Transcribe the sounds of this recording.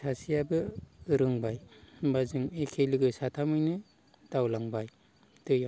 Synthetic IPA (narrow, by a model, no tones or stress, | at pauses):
sasijabɯɾɯŋbajbazɯŋekʰelɯɡɯsatʰamɯjnɯ | tawlaŋbaj | tɯja